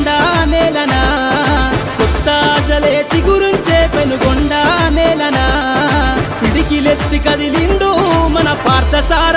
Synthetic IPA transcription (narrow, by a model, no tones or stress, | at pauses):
ɖaneːlɐnɐ | kɔt̪ːɐːʃɐleːt͡ʃiɡuɾuɲt͡ʃeːpenuɡɔɳɖaːneːlɐnɐ | piɽikilet̪ːikɐd̪iliɳɖumɐnɐpaːɾt̪ɐsaːɾ